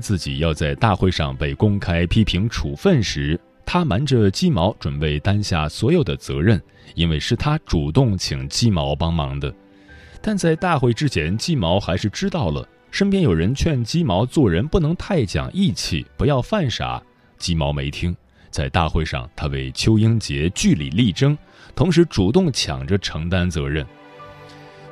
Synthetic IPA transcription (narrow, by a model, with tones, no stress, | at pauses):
t͡sɹ̩˥˩t͡ɕḭ˨˩jɑ˥˧ʊt͡sa˥˧ɪt̪a˥˧xwe˥˧ɪʂɑ̰˥˧ŋpe˥˩ɪkʊ˥ŋkʰa˥ɪpʰi˥pʰi˧˥ŋʈ͡ʂʰu˨˩fə˥˩nʂɻ̩˧˥ | t̪ʰa˥ma˧˥nʈ͡ʂə˧t͡ɕi˥mɑ˧˥ʊʈ͡ʂwə˨˩npe˥˩ɪt̪a˥nɕja̰˥˩swɔ˧˥jo˨˩ʊd̪ə˦t͡sɤ̰˧˥ɻə˥˩n | i˥nwe˥˧ɪʂɻ̩˥˩t̪ʰa˥ʈ͡ʂu˨˩t̪ʊ˥˩ŋt͡ɕʰi˨˩ŋt͡ɕi˥mɑ˧˥ʊpɑ˥ŋmɑ˧˥ŋd̪ə˧ | t̪a˥˧nt͡sa˥˧ɪt̪a˥˧xwe˥˩ɪʈ͡ʂɻ̩˥t͡ɕʰjɛ˧˥nt͡ɕi˥mɑ˧˥ʊxa˧˥ɪʂɻ̩˥˩ʈ͡ʂɻ̩˥t̪ɑ˥˩ʊlə̰˩ | ʂə˥np̬jɛ˥njo˨˩ʊɻə˧˥nt͡ɕʰɥɛ˥˩nt͡ɕi˥mɑ˧˥ʊt͡swɔ˥˩ɻə˧˥npu˥˩nɤ˧˥ŋt̪ʰa˥˩ɪt͡ɕjɑ̰˨˩ŋʔi˥˧t͡ɕʰḭ˥˩pu˧˥jɑ˥˧ʊfa˥˩nʂa̰˨˩˦ | t͡ɕi˥mɑ˧˥ʊme˧˥ɪt̪ʰi˥ŋ | t͡sa˥˧ɪt̪a̰˥˧xwe˥˧ɪʂɑ̰˥˧˩ŋt̪ʰa˥we˥˩ɪt͡ɕʰjo˥ʊi˥ŋt͡ɕjɛ˧˥t͡ɕy˥˩lḭ˨˩li˥˩ʈ͡ʂɤ˥ŋ | t̪ʰʊ˧˥ŋʂ̬ɻ̩˧˥ʈ͡ʂu˨˩t̪ʊ˥˩ŋt͡ɕʰjɑ̰˨˩ŋʈ͡ʂə˦ʈ͡ʂʰɤ˧˥ŋt̪a˥nt͡sɤ˧˥ɻə˥˩n